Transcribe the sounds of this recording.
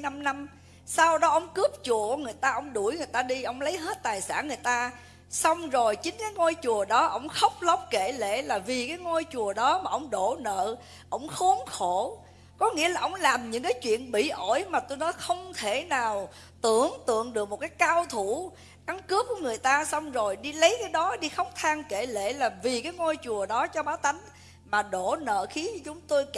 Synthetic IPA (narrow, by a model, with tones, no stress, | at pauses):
a˧mna˧m | saː˧wɗɔ˨˦ʔə˧˩wŋ͡mkɨ˦˥əp̚t͡ɕu˨˩əku˧˩əŋɨ˨˩əjt̪aː˧ʔə˧wŋ͡mɗu˧˩jŋɨ˨˩əjt̪aː˧ɗi˧ʔə˧˩wŋ͡mlə˨˦jɦe˦˥t̚t̪aː˨˩jsa̰ː˧˥˨nŋɨ˨˩əjt̪aː˧ | sa˧wŋ͡mzo˨˩jt͡ɕï˨˦ŋ̟kaː˨˦jŋo˧jt͡ɕu˨˩əɗɔ˨˦ʔə̰˧˩wŋ͡mxə˦˥wk͡p̚lə˦˥wk͡p̚ke˧˩lḛ˧˨laː˨˩vi˨˩kaː˨˦jŋo˧jt͡ɕu˨˩əɗɔ˨˦maː˨˩ʔə˧wŋ͡mɗo˧˨nə̰ː˧˨ | ʔə̰˧˩wŋ͡mxu˨˦ənxo˧˩˨ | kɔ˨˦ŋḭ˧˥əlaː˨˩ʔə˧wŋ͡mlaː˨˩mɲɨ̰˧˥ŋkaː˨˦jt͡ɕwḭ˧˨ənɓḭ˧˨ʔo˧˩jmaː˨˩t̪o˧jnɔ˨˦jxə˧wŋ͡mt̪ʰe˧˩naː˨˩w | t̪ɨ˧˩əŋt̪ɨ̰˧˨əŋɗɨ˨˩ək̚mo˨˩t̚kaː˨˦jkaː˧wt̪ʰu˧˩˨ | ka˨˦ŋkɨ˦˥əp̚ku˧˩əŋɨ˨˩əjt̪aː˧sa˧wŋ͡mzo˨˩jɗi˧lə˨˦jkaː˨˦jɗɔ˨˦ɗi˧xə˦˥wk͡p̚t̪ʰaː˧ŋke˧˩lḛ˧˥laː˨˩vi˨˩kaː˨˦jŋo˧jt͡ɕu˨˩əɗɔ˨˦t͡ɕɔ˧ɓaː˨˦wt̪a˨˦jŋ̟ | maː˨˩ɗo˧˩nə̰ː˧˨xi˨˦ɲɔ˧t͡ɕʊ˨˦ŋ͡mt̪o˧j